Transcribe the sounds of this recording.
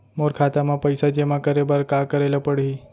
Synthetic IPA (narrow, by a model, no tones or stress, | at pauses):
moɾkʰat̪amãpəjsad͡ʑemãkəɾebəɾkakəɾeləpəɽɦi